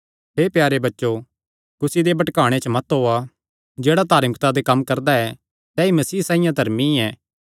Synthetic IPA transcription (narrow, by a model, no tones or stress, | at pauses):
ɦeːpjaːɾebɐtːʃo | kʊsid̪ebɐʈkaːɽ̃et͡ʃəmɐt̪ɦoa | d͡ʒeːɽat̪aːɾmɪkt̪ad̪ekɐmːkɐɾd̪aɛ | sɛːimɐsiːsãːĩjãd̪ʱɐɾmiɛː